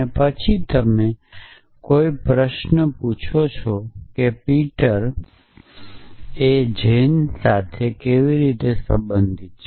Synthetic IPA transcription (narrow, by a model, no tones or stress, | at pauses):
epət͡ʃʰit̪əme | koipɾəʃnəput͡ʃʰot͡ʃʰokepiʈəɾ | ed͡ʒensat̪ʰekeʋiɾit̪esə̰̃mbənd̪ʱit̪̚t͡ʃʰ